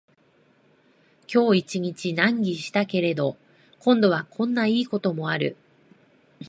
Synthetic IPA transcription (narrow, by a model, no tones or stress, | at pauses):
kʲo̞ːit͡ɕiɲ̟it͡ɕinãŋɡʲiɕi̥t̪ake̞ɾe̞d̪o̞ | kõ̞nd̪o̞β̞akʰõ̞nːaiːko̞t̪o̞mo̞aɾɯ̟̰